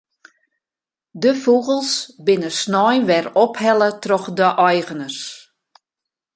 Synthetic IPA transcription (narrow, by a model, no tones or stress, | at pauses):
dəfuɣəlˠsbɪnəsnɔjnʋɛrɔphɛlˠətrɔxdəʔɔjɣənərs